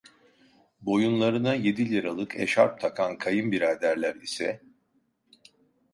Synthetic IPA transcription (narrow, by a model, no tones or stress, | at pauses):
bo̞junlˠaɾɯnaje̞d̪ilʲiɾalˠɯkʰḛʃaɾp̚t̪ʰakʰankʰajɯmbiɾad̪æɾlʲæɾisɛ